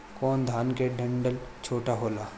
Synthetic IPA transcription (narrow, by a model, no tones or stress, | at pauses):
kɔːnd̪ʱaːnkeɖɐ̃ɳɖəlt͡ʃʰoːʈaɦoːlaː